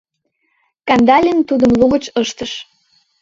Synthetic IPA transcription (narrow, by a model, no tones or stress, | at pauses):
kɑnd̪ɑlʲint̪ud̪ə̆mluɣə̆t͡ɕɤʃt̪ə̆ʃ